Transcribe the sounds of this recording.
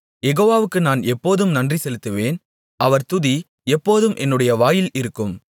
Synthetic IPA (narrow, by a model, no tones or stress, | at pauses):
jɛɣoːʋaːʋɯkːɯnaːnɛpːoːðɯmnɐndrisɛlɯt̪ːɯʋeːn | ʔɐʋɐɾt̪ʊði | ɛpːoːðɯmʔɛ̰nːɯɽɐjɐʋaːjɪlɪɾɯkːɯm